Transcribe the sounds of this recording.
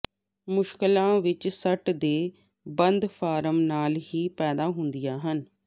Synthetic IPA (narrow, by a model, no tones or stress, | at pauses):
mʊʃkɪlãːʋɪt͡ʃsəʈd̪eː | bənd̪fʰaːɾəmnaːlɦiːpɛːd̪aːɦʊnd̪ijaːɦən